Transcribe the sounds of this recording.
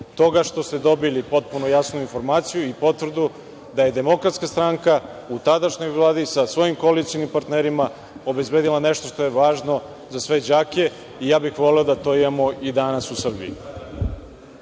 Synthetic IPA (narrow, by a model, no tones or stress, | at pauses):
t̪o̞ɡaʃt̪o̞st̪ed̪o̞bilipo̞t̪̚punojasnuinfo̞ɾmaːt̪sijuipo̞t̪ʋr̩d̪u | d̪aje̞d̪e̞mo̞kɾat̪skast̪ɾaŋka | ut̪ad̪aʃɲo̞jvlˠaːd̪isasʋo̞jimkoalit̪sinimpaɾt̪neɾima | o̞be̞zbeːd̪ilane̞ʃt̪o̞ʃt̪o̞jeʋaːʒno̞ | zasʋe̞d͡ʑaːke̞ | ijaːbixʋo̞liod̪at̪o̞imamo̞id̪anasusr̩bḭḭ